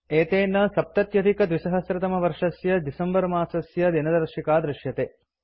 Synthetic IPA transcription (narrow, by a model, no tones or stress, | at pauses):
eːt̪eːnːɐsɐp̚t̪ɐt̪jɐd̪ʱikɐd̪ʋisɐɦɐsɾɐt̪ɐmɐʋɐɾʂɐsjɐd̪isɐmbɐɾmaːsɐsjɐd̪inɐd̪ɐɾʃikaːd̪ɾɪʃjɐt̪eː